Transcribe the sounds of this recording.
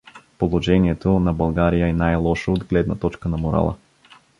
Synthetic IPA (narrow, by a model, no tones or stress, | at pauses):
polˠoʒɛniɛt̪onɐbɐlˠɡaɾijəɛnajlˠɔʃood̪ɡlɛd̪nɐt̪ɔt͡ʃkənɐmoɾa̰lˠə̰